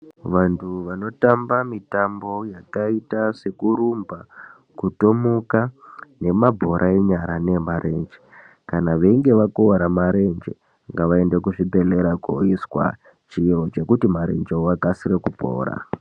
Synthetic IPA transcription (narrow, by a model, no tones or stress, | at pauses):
ʋantʰuʋano̞tambamitambo̞jakaitase̞kuɾumba | kuto̞mukane̞mabʱo̞ɾʔaeɲaɾane̞maɾʔe̞nd͡ʒe̥ | kanaʋeiŋɡe̞ʋakoaɾamaɾe̞nd͡ʒḛ | ŋɡaʋae̞nde̞kuʐibʱe̞le̞ɾako̰iswa̰ | t͡ʃiot͡ʃe̞kutimaɾe̞̰nd͡ʒeoakasiɾekupo̞̰ːɾa̰